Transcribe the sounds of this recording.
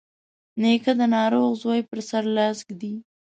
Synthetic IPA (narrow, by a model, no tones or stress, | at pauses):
nekad̪ənɑɾoɣzojpəɾsaɾlɑsɡd̪i